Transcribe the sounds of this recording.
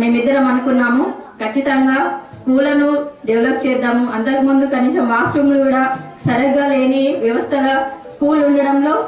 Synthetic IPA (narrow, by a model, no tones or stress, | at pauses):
ne̞ːmid̪ːɐɾɐmɐnukunːaːmu | kɐt͡ʃːit̪ɐŋɡaːskuːlɐnuɖɐʋlɐb̚t͡ʃɛːd̪aːmuɐnt̪ɐkimund̪ukɐniːsɐmʋaːsɾumlukuːɽaː | sɐɾɐɡaːle̞ːniʋjɐʋɐst̪ʰɐlɐskuːluɳɖɐɽɐmlo̞ː